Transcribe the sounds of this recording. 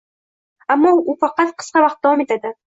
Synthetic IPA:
amːɒʊfɑqɑt̪qʰɨ̥sqɑvɑqt̪̚d̪awɒme̞t̪ʰad̪ɪ

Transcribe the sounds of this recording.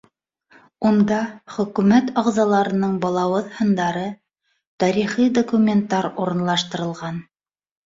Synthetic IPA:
und̪ɑχɵ̆kʉmæt̪ɑʁzɑlˠɑɾɤ̆nɤɴbɑlˠɑwɤðhɤ̆nd̪ɑɾɤ | t̪ɑɾiχijd̪okumʲent̪ːɑɾuɾɤ̆nlˠɑʃt̪ɤ̆ɾɤ̆lˠʁɑn

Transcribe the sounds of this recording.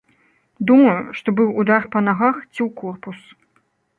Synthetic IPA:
d̪umɐjuʂt̪ɔbɨwːd̪arpɐnaɣaxt͡sʲiwkɔrpus

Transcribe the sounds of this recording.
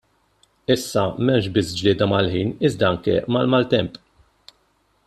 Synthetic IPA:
ɪsːɐmɛmʃbɪsːd͡ʒlɪːd̪ɐmɐlħiːnɪzd̪ɐɐŋkɛmɐlmɐlt̪ɛmpʼ

